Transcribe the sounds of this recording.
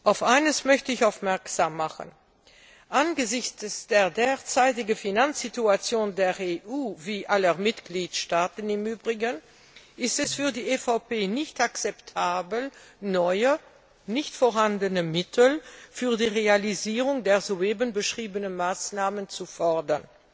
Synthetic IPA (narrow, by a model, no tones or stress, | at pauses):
ʔaʊfʔaɪnəsmœçtəɪçaʊfmɛɐkz̥aːmːaχə̰n | ʔanɡəzɪçt͡ssd̥eːɐdeːɐt͡saɪt̬ɪɡəfinansz̥ituat͡sjoːndeːɐʁeːʔuːviːʔaləmɪtɡ̥liːtʃtaːtn̩ɪmyːbʁɪɡən | ʔɪstɛsfyːɐdiːʔefapeːnɪçtakt͡sɛptʰaːbl̩nɔʏə | nɪçtfoːɐɦhandənəmɪtʰl̩fyːɐdiːʁealiziːʁʊŋdeːɐzoeːbənbəʃʁ̥iːbənəmaːsnaːmənt͡sufœɐdɐn